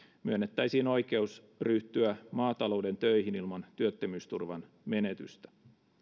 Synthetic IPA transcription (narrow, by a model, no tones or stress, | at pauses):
myønːet̪ːæijsiːno̞jke̞us | ryht̪yæmɑːt̪ɑlo̞wde̞nt̪øihinilmɑnt̪yøt̪ːemyːst̪urʋɑ̰n | me̞net̪y̰st̪æ̥